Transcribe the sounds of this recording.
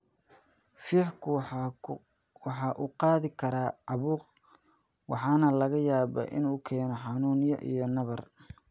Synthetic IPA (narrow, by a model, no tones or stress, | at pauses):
fiːħkʰʊ | wɑħɑːʔuqɑːðɪkʰɐɾaːʕɑβuːq | wɑħɑːnɐlɐɣɐjaːβɐ̰ʔɪ̰nuːkʰɛːnɔħɑnuːnjɐ̰ʔḭjɔnɐβɐr